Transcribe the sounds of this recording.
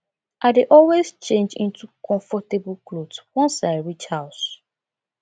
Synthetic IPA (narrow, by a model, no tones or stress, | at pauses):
ʔaɪdeʔɔlwezt͡ʃẽnd͡ʒĩntukɔ̃ɱfɔtebl̩klodswɔ̃nsaɪɹit͡ʃhaʊs